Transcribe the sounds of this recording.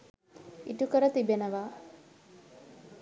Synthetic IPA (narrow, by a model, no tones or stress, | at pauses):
iʈukəɾət̪ibenəʋaː